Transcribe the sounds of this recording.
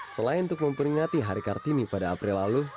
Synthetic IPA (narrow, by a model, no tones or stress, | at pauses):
səlaɪnunt̪ʊk̚məmpəɾiŋat̪iɦaɾikart̪inipadaːpɾilːalu